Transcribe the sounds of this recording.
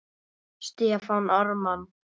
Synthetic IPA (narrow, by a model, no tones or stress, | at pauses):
st̪ɪafawnaɾman